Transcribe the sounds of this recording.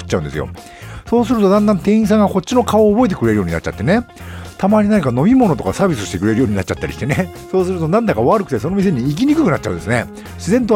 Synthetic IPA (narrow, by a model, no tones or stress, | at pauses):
ɯ̥t͡ɕːaɯ̟̃nd̪sɨjo̞̰ | so̞ːsɨɾɯ̟t̪o̞d̪ãnd̪ãnt̪ẽ̞ɰ̃ĩs̬ãŋɡako̞t͡ɕt͡ɕːino̞kaoːbo̞e̞t̪̬e̞kɯ̟ɾe̞ɾɯ̟jo̞ːɲ̟ina̰t͡ɕa̰t̪ːene̞t̪amaɲ̟inãɲkano̞mʲimo̞no̞t̪o̞kasaːbʲisɨɕi̥t̪e̞kɯ̟ɾe̞ɾɯjo̞ːɲinat͡ɕat̪ːaɾʲḭɕi̥t̪e̞ne | so̞ːsɨɾɯt̪o̞nãnd̪akaβaɾɯ̟kɯ̟̥t̪e̞so̞no̞mʲis̬e̞ɲ̟iːk̬ʲiɲ̟ikɯ̟kɯ̟nat͡ɕa̰ɯ̃nd̪sɨne̞ | ɕizẽ̞nt̪̬o